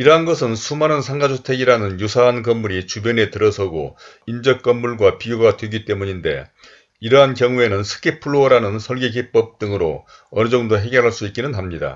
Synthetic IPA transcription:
iɾʌɦanɡʌsʰɯnsʰumanɯnsʰaŋɡad͡ʑʰotʰeɡiɾanɯnjusʰaɦankʌmmuɾit͡ɕubjʌne̞tɯɾʌsʰʌɡo̰ | ind͡ʑʌk̚k͈ʌmmuɭɡwapiɡjoɡadwe̞ɡit͈e̞muɲinde̞̰ | iɾʌɦankjʌŋue̞nɯnsʰɯ̥kʰepʰuɭːoɾanɯnsʰʌɭɡeɡip͈ʌp̚t͈ɯŋɯɾo | ʌnɯd͡ʑʌŋdoɦe̞ɡjʌɾɦaɭs͈uik͈̚inɯnɦamɲida̰

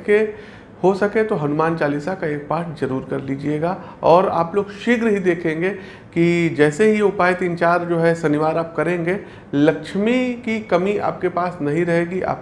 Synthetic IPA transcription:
ke | hosɐkẽt̪oɦɐnʊmaːnt͡ʃaːlisakaeːk̚paːɾʈʰzɐɾuːɾkɐɾliːd͡ʒieːɡaː | ɔːɾa̰ːploːɡʃɪɡɾɦid̪eːkʰẽːŋɡe | kid͡ʒɛːseɦiʊpaːjt̪iːnt͡ʃaːɾd͡ʒoːɦɛsɐnɪʋaːɾaːp̚kɐɾẽːŋɡe | lɐkʃmikikɐmia̰ːp̚kepaːsnɐɦĩɾɐɦeːɡia̰ːp

